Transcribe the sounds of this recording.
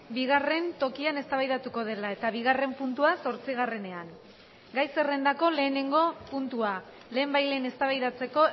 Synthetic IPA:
biɣ̞are̞nt̪o̞kiane̞st̪aβajðat̪uko̞ð̞e̞lae̞t̪aβiɣare̞mpunt̪uaso̞ɾt͡siɣare̞ne̞aŋ | ɡajse̞re̞nd̪ako̞le̞ːne̞ŋɡo̞punt̪ua | le̞ːmbajle̞ne̞st̪aβajðat͡se̞ko̞

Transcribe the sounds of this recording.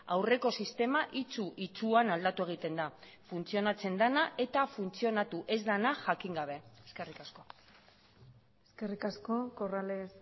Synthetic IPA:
awre̞ko̞sist̪e̞maʔit͡suʔit͡suanald̪at̪ue̞ɣ̞it̪e̞nd̪afunt͡sio̞nat͡se̞nd̪anaʔe̞t̪afunt͡sio̞nat̪uʔe̞zd̪anaʝakiŋɡaβ̞e̞eske̞rikasko̞ | eske̞rikasko̞korales

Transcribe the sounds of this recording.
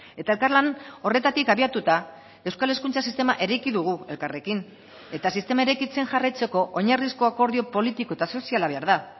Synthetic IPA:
e̞t̪aelkarlano̞re̞t̪at̪ikaβiat̪ut̪a | e̞wskale̞skunt͡sasist̪e̞maʔe̞ɾajkiðuɣ̞ue̞lkare̞kin | e̞t̪asist̪e̞maeɾajkit͡se̞ŋʝarajt͡se̞ko̞ʔoɲarisko̞ako̞ɾðio̞po̞lit̪ikoe̞t̪aso̞sialaβe̞aɾða

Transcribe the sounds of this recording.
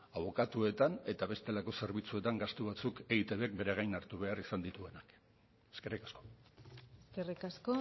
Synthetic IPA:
aβ̞o̞kat̪ue̞t̪ane̞t̪aβe̞st̪e̞lako̞se̞ɾβit͡sue̞t̪aŋɡast̪uβ̞at͡suke̞it̪e̞βeek̚be̞ɾeɣ̞ajnaɾt̪uβ̞e̞arisand̪it̪ue̞nak | eske̞rikḁsko̞̥ | eskerikasko

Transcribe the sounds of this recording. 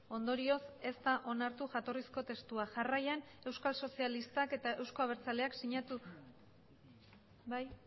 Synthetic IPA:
o̞nd̪o̞ɾio̞se̞st̪aʔo̞naɾt̪uʝat̪o̞risko̞t̪e̞st̪uaʝarajane̞wskalso̞sialist̪ake̞t̪ae̞wsko̞aβ̞e̞ɾt͡sale̞aksiɲat̪u | baj

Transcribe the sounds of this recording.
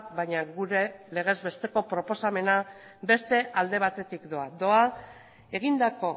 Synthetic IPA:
bajɲaɣuɾe̞le̞ɣ̞e̞zβe̞st̪e̞ko̞pɾo̞po̞same̞na | be̞st̪e̞ʔald̪e̞β̞at̪e̞t̪ikd̪o̞ad̪o̞a | e̞ɣ̞ind̪ako̞

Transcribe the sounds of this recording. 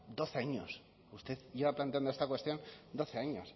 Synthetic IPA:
d̪o̞θeaɲos | ust̪eðʝeβaplant̪e̞and̪oest̪akwe̞st̪jo̞nd̪o̞θe̞aɲos

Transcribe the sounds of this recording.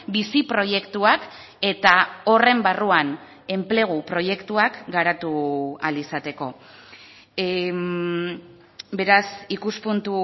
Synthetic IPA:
bisipɾo̞je̞kt̪uak | e̞t̪ao̞re̞mbaruan | e̞mple̞ɣ̞upɾo̞je̞kt̪uakɡaɾat̪ualisat̪e̞ko̞ | be̞ɾasikuspunt̪u

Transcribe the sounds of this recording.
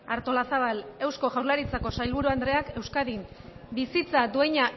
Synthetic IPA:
aɾt̪o̞lasaβ̞ale̞wsko̞ʝawɾlaɾit͡sako̞sajlβuɾuand̪ɾe̞ake̞wskaðimbisit͡sad̪ue̞ɲa

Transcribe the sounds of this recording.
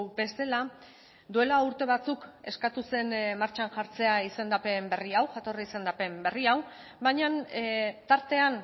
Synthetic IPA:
be̞se̞la | d̪ue̞lauɾt̪e̞β̞at͡suke̞̰skat̪use̞nmaɾt͡ʃanʝaɾt͡se̞aise̞nd̪ape̞mbe̞riawʝat̪o̞riise̞nd̪ape̞mbe̞riaw | bajɲant̪aɾt̪e̞an

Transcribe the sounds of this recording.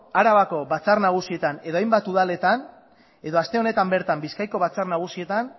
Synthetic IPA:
aɾaβako̞βat͡saɾrnaɣ̞usie̞t̪ane̞ðo̞ajmbat̪uðale̞t̪an | e̞ðo̞ast̪e̞o̞ne̞t̪ambe̞ɾt̪ambiskajko̞βat͡sarnaɣ̞usie̞t̪an

